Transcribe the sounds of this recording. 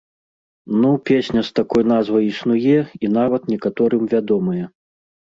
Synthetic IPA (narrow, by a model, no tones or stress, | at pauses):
nupʲesʲnʲɐst̪akɔjn̪azvɐjisnujɛinavɐt̪nʲɛkat̪ɔɾɨmvʲad̪ɔmɐjɛ